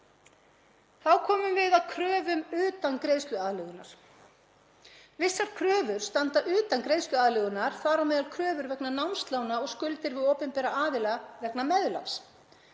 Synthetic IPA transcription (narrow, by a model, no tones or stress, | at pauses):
θawkʰɔːmʏmvɪðaðkʰɾœːvʏmʏːt̪ankɾejst̪lʏaːðlɛɣʏnaɾ̥ | vɪsːaɾ̥kʰɾœːvʏɾ̥st̪ant̪aʔʏːt̪ankɾejst̪lʏaːðlœɣʏnaɾ̥θaːɾawmɛːðalkʰɾœːvʏɾvɛknanawnst̪lawnaɔɣskʏlt̪ɪɾvɪðoːpʏmpɛːɾaʔaːðɪlavɛknamɛðla̰ns